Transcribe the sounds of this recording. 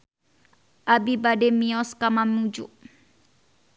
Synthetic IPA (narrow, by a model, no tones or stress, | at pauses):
ʔabibadɛmiɔskamamud͡ʒuʔ